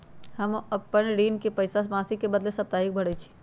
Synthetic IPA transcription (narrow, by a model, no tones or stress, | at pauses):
hɐmɐpːənɾiːnkepɐjsasbãːsikebɐd̪lesɐp̚t̪aːɦik̚bʱɐɽet͡ʃʰi̥